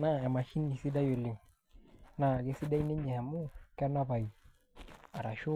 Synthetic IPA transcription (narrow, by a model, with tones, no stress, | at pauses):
na˦˨ɛ˨ma˨ʃi˦nːi˨si˦da˦jo˨lɪ˨ŋ | na˨ɡɛ˦si˦da˦i˦nɛ˦ɲɛ˨mu˦kɛ˦na˦pa˨i˨ | a˨ɾa˨ʃu˦